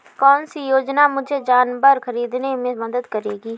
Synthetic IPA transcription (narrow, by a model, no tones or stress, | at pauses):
kɔːnsijoːd͡ʒnamʊd͡ʒʱed͡ʒaːnbəɾxɐɾiːd̪nemẽmɐd̪əd̪kɐɾeːɡiː